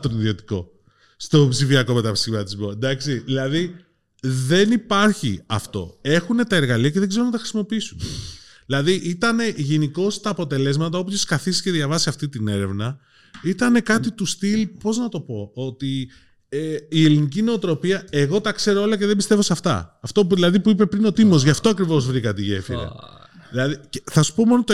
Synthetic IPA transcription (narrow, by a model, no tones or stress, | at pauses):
t̪oniðio̞t̪i̥ko̞̰ | st̪o̞psifiɐko̞me̞t̪ɐpsimɐt̪izbod̪ɐksiðilɐði | ðe̞nipɐɾçḭɐ̰ft̪o̞̰e̞xune̞t̪ɐe̞ɾɣɐliɐceðeɡze̞ɾo̞nɐt̪ɐxɾisimo̞piisunðilɐðiʔit̪ɐne̞ʝe̞niko̞st̪ɐːpo̞t̪e̞le̞zmɐt̪ɐo̞pçoskɐθisi̥ce̞ðʝɐvɐsiɐft̪it̪ine̞ɾe̞vnɐ | it̪ɐne̞kɐt̪it̪ust̪ilpo̞znɐt̪o̞po̞o̞t̪i | eie̞linic̬ine̞ot̪ɾo̞piɐe̞ɣo̞t̪ɐkse̞ɾoo̞lɐce̞ðebist̪e̞vo̞sɐft̪ɐ̰ːft̪o̞ðilɐðipuipe̞pɾino̞t̪imo̞zʝɐft̪o̞ɐkɾivo̞zvɾikɐt̪iʝe̞̰fḭɾɐ̰ | ðilɐðicθɐsu̥po̞mo̞not̪